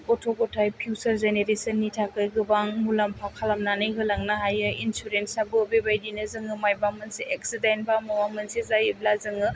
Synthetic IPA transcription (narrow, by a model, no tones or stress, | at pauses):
ɔtʰoɡɔtʰajpʰusɐɾzeneɾesɐnːitʰakɯjɡɯbaŋmulampʰakʰalamnanɯjɦɯlaŋnaɦajɯinsuɾensabɯbebajdinɯzɯŋɯmajbamɯnsiʔeksidenbamawamɐnsizajiblazɯŋɯ